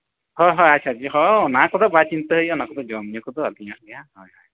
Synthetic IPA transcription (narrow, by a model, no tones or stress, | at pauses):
hɔjɦɔjat͡ʃʰad͡ʒiɦɔɔnakɔd̪ɔbat͡ʃint̪ɔɦejɔnakɔd̪ɔd͡ʒɔmniɔkɔt̪ɔad̪ʱiad̪ɛahɔjɦɔj